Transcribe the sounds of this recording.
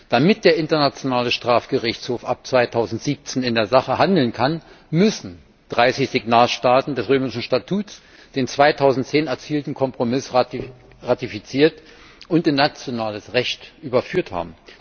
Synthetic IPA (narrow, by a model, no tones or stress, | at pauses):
d̥amɪt̚d̥eːɐʔɪntɐnat͡sjonaːləʃtʁ̥aːfɡ̥əʁɪçt͡shoːfʔap̚t͡sv̥aɪtʰaʊzn̩tz̥iːp̚t͡seːnɪndeːɐzaχəhandl̩nkʰan | mʏsn̩ | d̥ʁaɪsɪçz̥ɪɡnaːlʃtaːtn̩dɛsʁøːmɪʃn̩ʃtatʰuːts | d̥eːnt͡sv̥aɪtʰaʊzn̩tt͡seːnɛɐt͡siːltn̩kʰɔmpʁ̥omɪs | ʁatifit͡siːɐt | ʔʊntɪnːat͡sjonaːləsʁɛçtʔyːbɐfyːɐtha̰ːbm̩